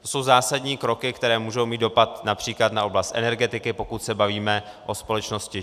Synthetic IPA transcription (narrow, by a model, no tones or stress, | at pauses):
t̪osowzaːsadɲiːkɾo̞kɪkt̪ɛɾɛːmuːʒo̞wmiːd̪do̞pat̪napr̝̥iːklat̪naʔo̞blast̪ʔɛ̰nɛɾɡɛt̪ɪkɪpo̞kut̪sɛbaviːmɛ | ʔo̞spo̞lɛt͡ʃno̞scɪ